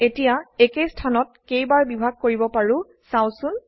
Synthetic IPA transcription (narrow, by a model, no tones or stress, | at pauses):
etijaekestʰanɔt̚kejbaɹbibʱaɡ̚koɹibɔpaɹʊ̃ | saw̃sʊn